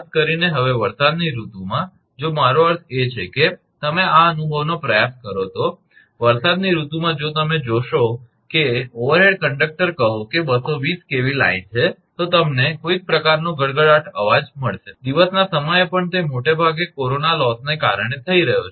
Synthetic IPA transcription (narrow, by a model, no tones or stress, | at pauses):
skəɾineɦəʋeʋəɾsad̪niɾut̪umã | d͡ʒomaɾoəɾt̪ʰet͡ʃʰeke | t̪əmeaənubʱəʋnopɾəjaskəɾot̪ʰo | ʋəɾsad̪niɾut̪umãd͡ʒot̪əmed͡ʒoʃo | keoʋəɾɦeɖkəɳɖək̚ʈəɾkəɦõkebəsoʋiskeʋila̰int͡ʃʰet̪ot̪əmnekoiɡ̚pɾəkaɾnõɡʱəɭɡəɭaʈʰə̰ʋad͡ʒməɭʃed̪iʋəsnasəməjepəɳt̪emoʈebʱaɡekoɾonalɔsneka̰ɾɳ̃et̪ʰəiɾəɦjo̰t͡ʃʰ